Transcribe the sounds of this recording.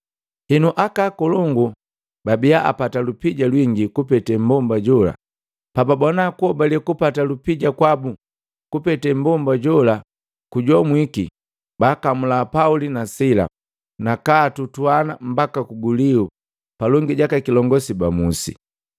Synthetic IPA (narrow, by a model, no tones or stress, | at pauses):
hɛnuʔakakɔlɔŋɡu | babiaʔa̰patalupiɟalwiŋɡikupɛtɛm̩bɔmbaɟɔla̰ | pababɔnakuɔbalɛkupatalupiɟakwabu | kupɛtɛm̩bɔmbaɟɔla | kuɟɔmwiki | baːkamulapaulinasila̰ | nakaːtutwanam̩bakakuɡuliu | palɔŋɡiɟakakilɔŋɡɔsibamusḭ